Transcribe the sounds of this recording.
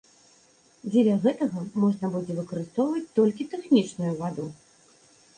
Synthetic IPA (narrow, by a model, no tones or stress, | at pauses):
d͡zʲɛlʲɐɣɛt̪ɐɣɐmɔʐnɐbud͡zʲɛvɨkɐɾɨst̪ɔwvɐt͡sʲt̪ɔlʲkʲit̪ɛxnʲit͡ʂnujuvad̪u